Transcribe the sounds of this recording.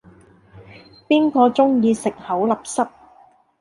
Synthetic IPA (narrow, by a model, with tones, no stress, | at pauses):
piː˥nkɔː˧t͡ʃʊ˥ŋjiː˧sɪ˨k̚hɐ˨˥wlɐ˨p̚sɐ˥p̚